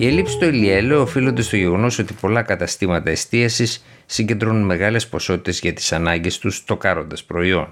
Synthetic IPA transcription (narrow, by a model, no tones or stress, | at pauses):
ie̞lipsi̥st̪o̞ilie̞leoːfilo̞nd̪e̞st̪o̞ʝe̞ɣo̞no̞so̞t̪i̥po̞lɐkɐt̪ɐst̪imɐt̪ɐest̪iɐsisː | iɲɟend̪ɾonunme̞ɣɐle̞spo̞so̞t̪i̥t̪e̞zʝɐt̪i̥sɐnɐɲɟe̞st̪ust̪o̞kɐɾo̞nd̪ɐspɾo̞io̞n